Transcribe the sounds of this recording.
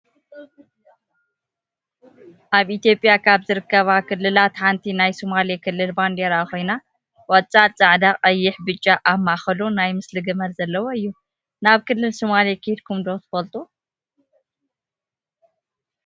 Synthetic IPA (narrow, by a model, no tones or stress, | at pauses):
ʔaβit̪ijo̞pʼjakʰaβzɨɾɨkːɐβakʰɨlːɨlat̪ħant̪ʰinajsomalekʰɨlːɨlband̪eɾaxʰo̞jna | wɐt͡sʼat͡sʼaʕd̪aqʼɐjːɪħbɨt͡ʃʼːaʔamːaxɐlunajmɨslɨɡɨmɐlzɐlːɐwoɨjːu | naβkʰɨlːɨlsomalekʰɨd̪kʰumd̪ot̪ʰɨ̥fɐlt̪ʼu